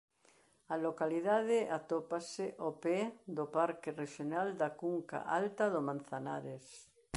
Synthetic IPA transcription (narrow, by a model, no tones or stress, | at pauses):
alokaliðaðeat̪opaseʔoped̪opaɾkereʃjonald̪akuŋka̰ʔalt̪aðomãn̟θana̰ɾes